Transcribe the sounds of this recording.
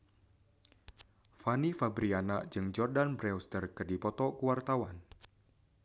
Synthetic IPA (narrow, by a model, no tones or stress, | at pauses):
fanifabɾianaʔd͡ʒɨŋd͡ʒɔrdanbɾɛwst̪ərkɨrdipɔt̪ɔkuwart̪awan